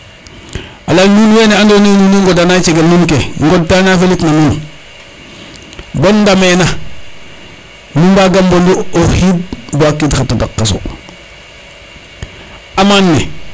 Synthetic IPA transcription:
alanunweneandononuneŋɡodanat͡ʃeɡelmunkeŋɡod̚tanafelitnamun | bondamena | mumbaːɡambonduohid̚buakːitkatada̰kːaso̰ | amanːe

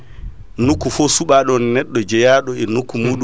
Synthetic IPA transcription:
nukːufɔsuɓaɗɔnnɛɗːɔd͡ʒɛjaːɗɔɛnukːumuːɗu

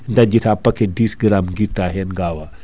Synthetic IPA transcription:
ndad͡ʒitapːɐkedisɡəɾamɡitːaɦenɡawa

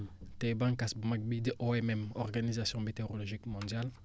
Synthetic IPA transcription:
t̪ebãŋkasbumak̚bid̪eʔoɛmɛmɔʁɡanizasjɔ̃met̪eʁolɔʒikmɔ̃d̪jal

